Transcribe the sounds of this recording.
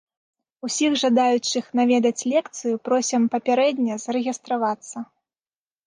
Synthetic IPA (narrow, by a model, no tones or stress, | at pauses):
usʲiɣʐad̪ajut͡ʂɨxnavʲɛd̪ɐt͡sʲlʲɛkt̪sɨjupɾɔsʲɐmpɐpʲaɾɛd̪ʲnʲɐzɐɾɛɣʲist̪ɾavat̪sːɐ